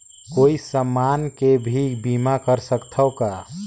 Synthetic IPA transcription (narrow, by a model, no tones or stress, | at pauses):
koːisəmːaːnkebʱibiːmakəɾsəkt̪ʰəʊka